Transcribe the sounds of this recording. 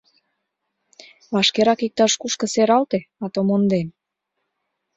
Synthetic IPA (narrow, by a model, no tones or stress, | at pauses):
βɑʃkeɾɑkik̚t̪ɑʃkuʃkə̆seɾɑlt̪eɑt̪omond̪em